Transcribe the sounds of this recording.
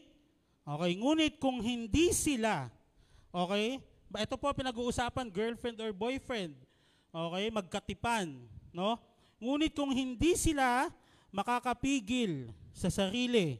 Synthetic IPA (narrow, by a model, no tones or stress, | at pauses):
ʔo̞ːkɛjŋuːnɪt̪̚kʊŋɦɪnd̪isɪla | ʔo̞ːkɛj | ʔɛt̪o̞popɪnɐɡuːʔʊsaːpɐnɡɛɹlfɹɛnd̪oɹbo̞jfɹɛnd̪̚ | ʔo̞ːkɛjmɐɡ̚kɐt̪ɪpanːo̞ | ŋuːnɪt̪̚kʊŋɦɪnd̪isɪla | mɐkakɐpiːɡɪlsɐsɐɾiːlɪ